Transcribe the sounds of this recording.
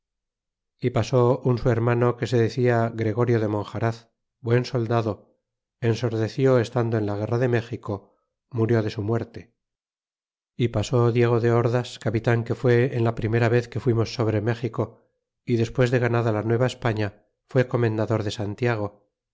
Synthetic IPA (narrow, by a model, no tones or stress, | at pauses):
ipaso̞unsue̞ɾmanoke̞se̞ðe̞θiaɣɾe̞ɣo̞ɾjo̞ðe̞mõ̞ŋxaɾaθ | bwe̞nso̞ld̪aðo̞ | enso̞ɾðe̞θjo̞e̞st̪and̪oe̞nlaɣ̞e̞raðe̞me̞xiko̞ | muɾjo̞ðe̞sumwe̞ɾt̪e̞ | ipaso̞ðje̞ɣ̞o̞ðe̞oɾðaskapit̪aŋke̞fwe̞ːnlapɾime̞ɾaβ̞e̞θke̞fwimo̞sːo̞β̞ɾe̞me̞xiko̞ | iðe̞spwe̞zðe̞ɣ̞anaðalanwe̞β̞aespaɲa | fwe̞ko̞mẽ̞nd̪aðo̞ɾðe̞sant̪jaɣ̞o̞